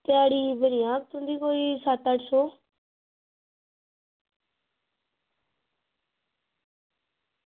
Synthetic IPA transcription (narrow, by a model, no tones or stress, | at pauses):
t̪ɪaːɽiːbənɪjãːk̚t̪ũnd̪iːkoːiːsaːt̪aʈsoː